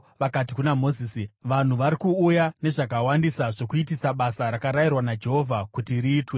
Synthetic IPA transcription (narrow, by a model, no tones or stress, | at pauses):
ʋakati̥kunamo̞ziːsiʋan̤uʋaɾikuujane̞ʐakawandisaʐo̞kuitisaɓasaɾakaɾairwanad͡ʒe̞ɦo̞vʱakutiriːtwe̞